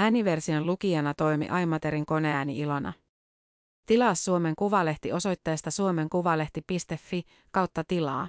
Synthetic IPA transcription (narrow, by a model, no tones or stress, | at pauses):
æːniʋe̞rsiɑlukiɑnɑt̪o̞jmḭʔɑjmːɑt̪e̞ɾiŋko̞ne̞æːniilo̞nɑ̰ | t̪ilɑːsːuome̞ŋkuʋɑle̞ht̪iʔo̞so̞jt̪ːɑjɑst̪ɑsuo̞me̞ŋkuʋɑle̞ht̪ipist̪e̞fːi | kɑwt̪ːɑt̪ilɑː